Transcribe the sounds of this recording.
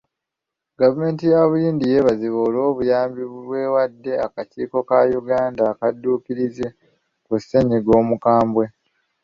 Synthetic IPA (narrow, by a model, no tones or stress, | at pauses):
ɡavume̞ːntijaβujiːndije̞βaziβoːlo̞ːβujaːmbiββwe̞ːwadːe̞akaciːko̞kajuɡaːndaːkadːuːkiɾize̞ | kusːe̞ɲiɡo̞ːmukaːmbwe̞